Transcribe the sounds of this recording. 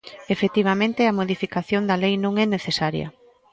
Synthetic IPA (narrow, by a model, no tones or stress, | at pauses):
efet̪iβ̞amẽnt̪eɐmoðifikaθjond̪ɐlejnõŋɛneθesaɾjɐ̰